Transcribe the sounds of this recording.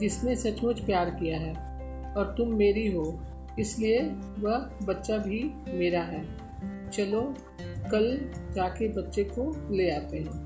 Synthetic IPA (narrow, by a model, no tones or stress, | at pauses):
d͡ʒɪsnesɐt͡ʃmʊt͡ʃpjaːɾkijaɦɛː | ɔːɾt̪ʊmːeːɾiɦoː | ɪslie | ʋɐɦbɐtːʃabʱimeːɾaɦɛː | t͡ʃɐlo | kɐld͡ʒaːkebɐtːʃekoleːaːt̪eɦɛ̃ː